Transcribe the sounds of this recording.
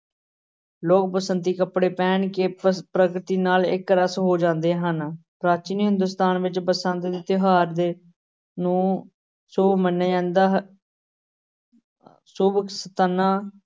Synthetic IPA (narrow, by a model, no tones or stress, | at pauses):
loːk̚pəsənt̪iːkəpɽeːpɛːɳkeːpɾəkɾt̪iːnaːlɪ̰kːɾəsɦoːd͡ʒãːnd̪eːɦənpɾaːt͡ʃɪnɦɪnd̪ʊst̪aːnʋɪt͡ʃpəsə̃nt̪d̪ɪt̪ɪɦaːɾd̪eː | nũː | soːmənːeɛ̃ːnd̪aː | suːbəksət̪ənːãː